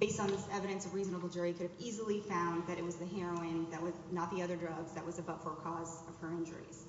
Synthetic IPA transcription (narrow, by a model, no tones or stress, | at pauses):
beɪstn̩ðɪsɛvɨɾɨ̃nsʌvɹizn̩əbl̩ˠd͡ʒʊɹikʰʊɾɨvizl̩ˠifãʊ̃nðɨɾɨt̚wʌzðɨɦɛɹoʊɪ̃nðɨt̚wʌznət̪̚ðiʌðə˞dɹʌɡzðɨʔ̚wʌzɨbʌʊtfə˞kʰɔzʌv̥fə˞ɪ̃nd͡ʒə̰˞ḭz̥